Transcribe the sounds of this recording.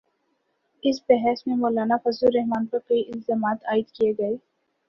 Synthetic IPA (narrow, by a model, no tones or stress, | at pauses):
ɪsbɛɦɛːsmẽmoːlaːnafɐzuɾːɛɦmaːnpɐɾkɐiʔɪlzaːmaːt̪aːɪd̪kijeɡɐeː